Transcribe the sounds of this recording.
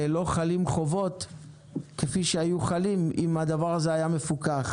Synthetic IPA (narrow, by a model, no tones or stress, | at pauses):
elo̞χalimχo̞vo̞t̪ | kefiʃeajuχalimʔimad̪avaʁazeajame̞fukaχ